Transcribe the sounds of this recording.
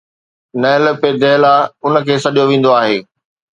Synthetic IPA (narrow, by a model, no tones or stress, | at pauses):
nɐɪ̃ləped̪ɛːlaʊnəkʰeːsɐɗijoʋẽːn̆d̪oaːɦeː